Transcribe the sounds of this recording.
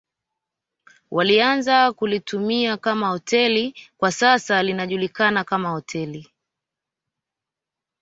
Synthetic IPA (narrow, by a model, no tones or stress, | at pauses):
wʔalianzakulitumiakamahɔtʰɛlikwasasalinaʄulikanakamahɔtʰɛli